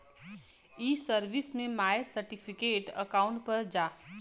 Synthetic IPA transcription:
iːsəɾʋismẽmaːjsəɾʈipʰikeːʈə̰kaːʊ̃ɳʈ̚pəɾd͡ʒaː

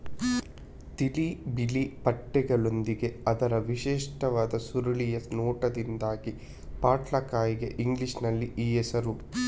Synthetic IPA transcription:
t̪ilibilipɐʈːɛɡɐɭo̞nd̪iɡe̞ɐd̪ɐɾɐʋiʃɛːʂʈɐʋaːd̪ɐsuɾɐɭijɐnoːʈɐd̪ind̪aːɡi | paːʈlɐkaːjiɡḛʔiŋɡliʂnɐlːiʔiːjesɐɾu

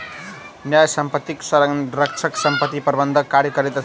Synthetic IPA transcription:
njajsʌmpʌt̪ːiksʌɾrʌk̚t͡ʃʰʌksʌmpʌt̪iprbʌnd̪ʱʌkaɾjʌkʌɾit̪ʌ

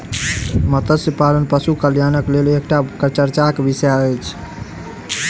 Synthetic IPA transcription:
mət̪əsepalənpəsukəljanəklelek̚ʈakɾt͡ʃəɾt͡ʃakebisjaəjt͡ʃʰ

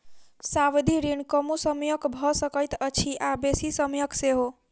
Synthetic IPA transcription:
saʋd̪ʱiɾinkəmusəmjəkbʱɔsəkəjt̪ət͡ʃʰiʔabesisəmjəkseɦo

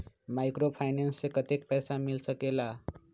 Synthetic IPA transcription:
majkɾopʰajnenslekʌt̪ek̚pʌjsamilsʌkela

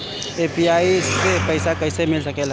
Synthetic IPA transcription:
epiaisepəɪsakəɪsemɪlsəkel

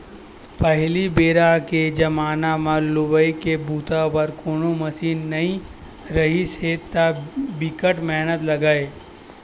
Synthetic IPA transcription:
pɐɦlibeːɾaked͡ʒɐmaːnamãlʊbəikebuːt̪apɐɾkoːnomɐsiːnːɐɦĩ | ɾɐɦiset̪abɪkəʈmɛɦnət̪lɐɡaːeː

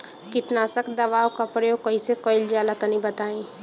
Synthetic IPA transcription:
kɪʈnaːsəkd̪ɐbaːwkapɾəjoːɡkəisekəɪld͡ʒjaːlat̪ənĩbət̪aːĩ

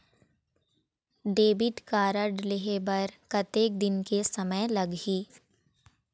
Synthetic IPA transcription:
ɖeːbɪʈkaːɾəɖlɪɦebɐɾkɐt̪eːk̚d̪ɪnkesɐməjlɐɡɦiː

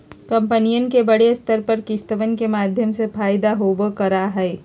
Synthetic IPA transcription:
kɐ̃mpənijənkebɐɽest̪əɾpɐɾkɪst̪əʋənkemaːd̪ʱjəmsefʰaːjd̪aɦoːbokɐɾaɦɛː

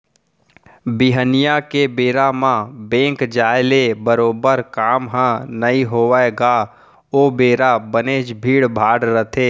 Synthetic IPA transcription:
biɦənijakebeːɾamãbẽːŋkd͡ʒaːelebəɾoːbəɾkaːmɦãnəiɦoːʋaeɡa | oːbeːɾabəneːd͡ʒbʱiːɽbʱaːɽɾət̪ʰeː

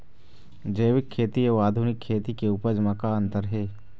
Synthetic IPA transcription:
d͡ʒəːjʋɪkʰːeːt̪ieaːd̪ʱunɪkʰːeːt̪ikeuːpəɾd͡ʒəmãkaə̃nt̪əɾɦeː

